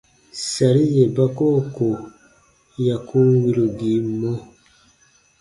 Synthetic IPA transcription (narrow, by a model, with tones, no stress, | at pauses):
sa˨ɾi˦je˨ba˦ko˦˨ko˨ | ja˨ku˦wi˦ɾu˨ɡi˨˦mo˦